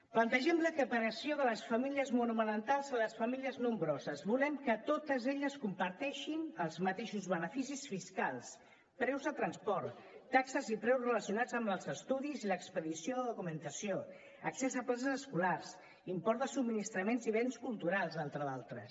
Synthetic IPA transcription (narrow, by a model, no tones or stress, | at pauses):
plənt̪əʒɛmləkəpəɾəsioðələsfəmiliəzmunumənənt̪alˠzələsfəmiliəznumbɾɔzəzβulɛmkət̪ot̪əzeʎəskumpəɾt̪ɛʃinəlˠzmət̪eʃuzβənəfisisfiskalˠs | pɾɛwzðət̪ɾənspɔɾt̪ː | aksəzipɾɛwsrələsijunad͡zəmləlˠzəst̪uðiziləkspəðisioðəðukumənt̪əsio | ə̰ksɛzəplas̬əzəskularz | impɔɾðəsub̚minist̪ɾəmenziβ̞enskulˠt̪uɾalˠzent̪ɾəðalˠt̪ɾə̰s